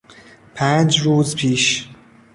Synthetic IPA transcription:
pʰæːnd͡ʒɾuːzpʰiːʃ

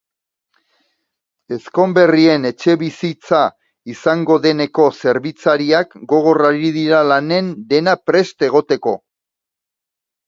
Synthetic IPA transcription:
e̞sko̞mbe̞rie̞ne̞t͡ʃe̞βisit͡sa | isaŋɡo̞ðe̞ne̞ko̞se̞ɾβit͡saɾiakɡo̞ɣ̞o̞raɾiðiɾalane̞nd̪e̞napɾe̞st̪e̞ɣ̞o̞t̪e̞ko̞

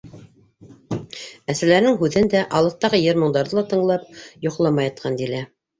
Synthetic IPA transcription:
æsælæɾnɘŋɦʉðɘnd̪æʔɑlˠɤ̆θt̪ɑʁɤjɘɾmŏɴd̪ɑɾðɤlˠɑt̪ɤ̆ɴlˠɑpjŏqlˠɑmɑjɑt̪̚qʰɑnd̪ilæ

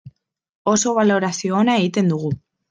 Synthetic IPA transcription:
o̞so̞β̞alo̞ɾasioːnae̞ɣit̪e̞nd̪uɣ̞u

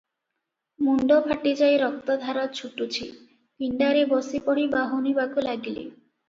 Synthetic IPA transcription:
muɳɖopaʈid͡ʑajɾɔk̚t̪ad̪ʱaɾɔt̪̚t͡ɕʰuʈːut͡ɕʰi | kiɳɖaɾebɔsipɔɽibaɦonibakolaɡilḛ

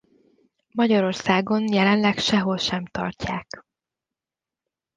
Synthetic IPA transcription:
mɒɟɒɾo̞rsaːɡo̞njɛlɛnlɛkʃɛɦo̞lʃɛmt̪ɒ̰rcaːk

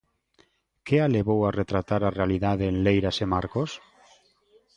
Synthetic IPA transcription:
kealeβ̞owaret̪ɾat̪aɾarealiðaðeːnlejɾasemaɾkos

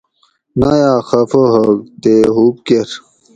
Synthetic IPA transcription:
najaːxɐfoɦɐk̚t̪eɦup̚keɾ

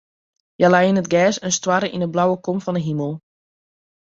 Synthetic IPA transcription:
jalajinətɡɛːsənstwaɾəʔinəblawəkomfɔndəɦiməlˠ

